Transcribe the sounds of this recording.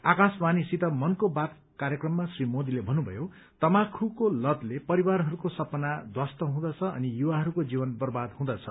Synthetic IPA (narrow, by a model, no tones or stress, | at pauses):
akasmanisit̪ʌmʌnkobat̪ | kaɾjʌkrʌmːasrimod̪ilebʱʌnubʱʌ̰jo | t̪ʌmakʰukolʌd̪lepʌɾibarɦʌɾukosʌpʌnad̪ʱwast̪ʌɦũd̪ʌt͡sʰʌʌ̰nijuwaɦʌɾukod͡zibʌnbʌrbad̪ɦũd̪ʌt͡sʰʌ